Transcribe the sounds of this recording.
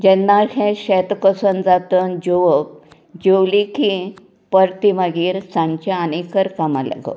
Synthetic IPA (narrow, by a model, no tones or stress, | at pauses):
d͡ʑɛnːahẽɕɛt̪kəsənd͡zat̪ənd͡ʑoʋək̚ | d͡ʑewliki | pəɾt̪iməɡiːɾsãɲt͡ɕaanekəɾkama̰la̰ɡə̰